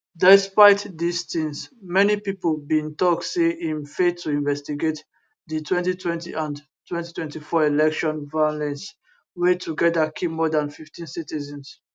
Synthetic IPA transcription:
dɛspaɪtdistĩŋsmɛnipipəlbĩntɔk̚seʔĩnfetʰːuĩnvɛstiɡet | ditʰwɛ̃ntitʰwɛ̃ntḭʔãn | tʰwɛ̃ntitwɛ̃ntifɔilɛkʃɔ̃nvajɔlɛ̃ns | wetuɡɛdəkʰipmɔdãnfiftĩnsitizɛ̃ns

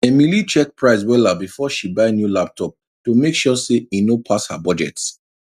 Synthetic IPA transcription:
ɛmilit͡ʃɛk̚pɹaɪswɛlabifɔʃibaɪnjulap̚tʰɔp̚ | tomekʃɔseinopʰashabɔd͡ʒɛ̰ts

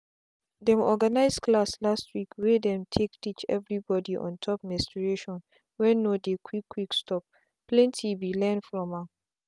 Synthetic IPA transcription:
dɛ̃mɔɡanaɪzkʰlaslastʰwikwedɛ̃mtʰektʰit͡ʃɛ̰vɹibɔdiʔɔ̰̃ntʰɔp̚mɛstɹeʃɔ̃n | wɛnodekʰwikʰːwikstɔp̚ | plɛ̃ntʰibilɛ̃nfɹɔ̃ma

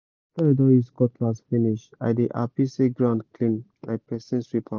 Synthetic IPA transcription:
tədɔiskɔtlasfiniʃta̰jdiʔa̰pisiɡɹãʊ̃ndklĩn | a̰ɪpɹɛsɛ̃nswipʰa

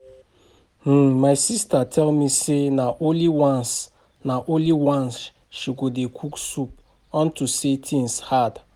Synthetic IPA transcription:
h̩majsistatʰɛlmisenaʔoliwãns | naʔoliwãns | ʃiɡodekʰuksup̚ | ɔ̃ntusetʰĩnshad

